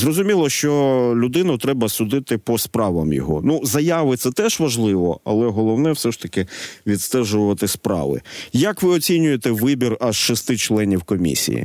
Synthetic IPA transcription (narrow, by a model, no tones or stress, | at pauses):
zrɔzʊmʲilˠɔʃt͡ʃɔlʲʊd̪ɪnʊt̪ɾɛbɐsʊd̪ɪt̪ɪpɔspɾɑʋɐmjɔ̰ɦɔ̰nuzɐjaʋɪt̪sɛt̪ɛʒʋɐʒlˠɪʋɔ̰ɐ̰lˠɛɦɔlˠɔwnɛwsɛʃt̪ɐkɪʋʲit̪st̪ɛʒʊʋɐt̪ɪspɾɑ̰ʋɪ̰jɐkʋɪɔt͡sʲinʲʊjet̪ɛʋɪbʲirɐz̥ʃɔst̪ɪt͡ʃlˠɛnʲiwkɔmʲḭsʲḭjḭ